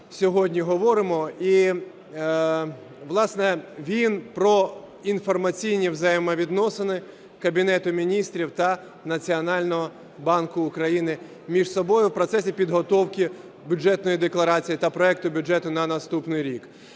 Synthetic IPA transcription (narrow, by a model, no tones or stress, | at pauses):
sʲɔɦɔdʲnʲiɦɔʋɔɾɪmɔi | ʋlˠɑsnɛʋʲinpɾɔ | infɔrmɐt͡sʲijnʲiwzɐjɛmɐʋʲid̪nɔsɪnɪ | kɐbʲinɛt̪ʊmʲinʲist̪ɾʲiwt̪ɐ | nɐt͡sʲiɔnɑlʲnɔɦɔ | bɑnkʊʊkɾɐjinɪ | mʲiʒsɔbɔjʊwpɾɔt̪sɛsʲipʲid̪ɦɔt̪ɔwkʲɪ | bʲʊd͡ʒɛt̪nɔjid̪eklˠɐɾɑt͡sʲijit̪ɐpɾɔɛk̚t̪ʊbʲʊd͡ʒɛt̪ʊnɐnɐst̪upnɪjɾʲik